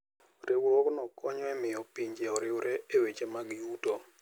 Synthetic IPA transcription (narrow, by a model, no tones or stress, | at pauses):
ɾʔɪwɾɔknɔkɔɲɔɛmɪɔpiɲd͡ʒeɔɾɪwɾɛewet͡ʃemaɡjuto